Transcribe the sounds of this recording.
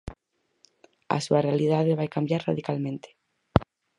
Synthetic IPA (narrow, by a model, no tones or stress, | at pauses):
a̰suarealiðaðeβajkambjaɾra̰ðikalmẽnt̪e̥